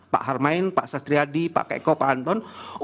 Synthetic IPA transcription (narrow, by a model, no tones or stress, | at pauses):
pa̰ʔɦarmaɪnpa̰ʔsast̪ɾiadipa̰ʔkaḭkɔpaʔant̪ɔn